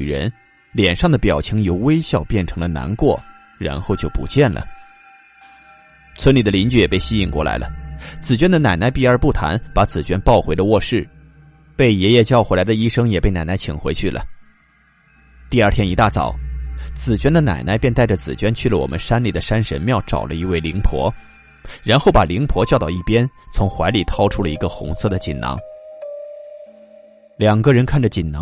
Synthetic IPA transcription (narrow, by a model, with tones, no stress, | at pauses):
ɻə˧˥n | ljɛ˨˩nʂɑ˥˩ŋd̪ə˩pjɑ˨˩ʊt͡ɕʰi˧˥ŋjo˨˩ʊwe˥ɪɕjɑ˥˧ʊpjɛ˥˩nʈ͡ʂʰɤ˧˥ŋlə˧na̰˧˥nkwɔ˥˩ | ɻa̰˧˥nxo˥˧ʊt͡ɕjo˥˩ʊpṵ˧˥t͡ɕjɛ˥˩nlə̰˩ | t͡sʰwə˧˥nli˨˩d̪ə˦li˧˥nt͡ɕy˥˩jɛ˨˩pe˥˩ɪɕi˥i˧˨˩ŋkwɔ̰˥˩la̰˧˥ɪlʔə̰˧t͡sɹ̩˨˩t͡ɕɥɛ˥nd̪ə˨na˨˩ɪna˧˥ɪpi˥˩ə˞˧˥pu˥˩t̪ʰa̰˧˥npa˧˥t͡sɹ̩˨˩t͡ɕɥɛ˥npɑ˥˩ʊxwe˧˥ɪd̪ə˧wɔ˥˧ʂɻ̩˥˩ | pe˥˩ɪjɛ˧˥jɛ˥˧t͡ɕjɑ˥˩ʊxwe˧˥la˧˥ɪd̪ə˧i˥ʂɤ˥ŋjɛ˨˩pe˥˩ɪna˨˩ɪna˧˥ɪt͡ɕʰḭ˨˩ŋxwe˧˥ɪt͡ɕʰy˥˩lʔə̰˩ | t̪i˥˧ɐ˞˥˩t̪ʰjɛ˥ni˧˥t̪a˥˩t͡sɑ̰˨˩˦ʊt͡sɹ̩˨˩t͡ɕɥɛ˥nd̪ə˨na̰˨˩ɪna˧˥ɪpjnt̪a˥˩ɪʈ͡ʂə˩t͡sɹ̩˨˩t͡ɕɥɛ˥nt͡ɕʰy˥˩lə˩wɔ̰˨˩mʔə̰˦nʂa˥nli˨˩d̪ə˦ʂa˥nʂə̰˧˥nmjɑ˥˩ʊʈ͡ʂɑ̰˨˩ʊlə˦i˧˥we˥˩ɪli˧˥ŋpʰwɔ̰˧˥ | ɻa˧˥nxo˥˩ʊpa̰˨˩li˧˥ŋpʰwɔ˧˥t͡ɕjɑ˥˧ʊt̪ɑ˥˧ʊi˥˩pjɛ˥nt͡sʰʊ˧˥ŋxwa˧˥ɪli˨˩t̪ʰɑ˥ʊʈ͡ʂʰu˥lə˨i˧˥ɡə˧xʊ̰˧˥ŋsʰɤ˥˩d̪ə˩t͡ɕi˨˩nnɑ̰˧˥ŋ | ljɑ˨˩ŋɡə˧ɻə˧˥nkʰa˥˩nʈ͡ʂə˩t͡ɕi˨˩nnɑ̰˧˥ŋ